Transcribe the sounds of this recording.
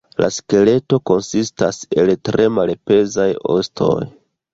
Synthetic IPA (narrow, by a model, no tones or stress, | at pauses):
la̰ske̞le̞to̞ko̞nsistase̞ltɾʔe̞malpe̞zajo̰stʰo̞̰j